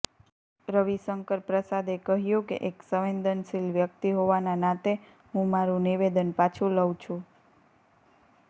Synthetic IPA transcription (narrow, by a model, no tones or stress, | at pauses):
ɾəʋisəŋkəɾpɾəsad̪ekəɦjũkḛʔeksəʋẽnd̪ʱənʃilʋjək̚t̪iɦoʋananãt̪e | ɦũmaɾũniʋed̪ənpat͡ʃʰũləw̃t͡ʃʰũ